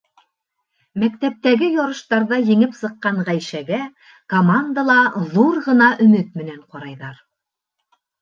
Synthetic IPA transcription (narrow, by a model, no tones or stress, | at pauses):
mæk̚t̪æp̚t̪æɡɘjɒɾɤ̆ʃt̪ɑɾðɑjɘ̆ŋɘpsɤ̆qːɑɴʁæjʃæɡæ | komand̪əlˠɑðuɾʁɤ̆nɑʔɵ̆mɘt̪̚mɘ̆næɴqɒɾɑjðɑɾ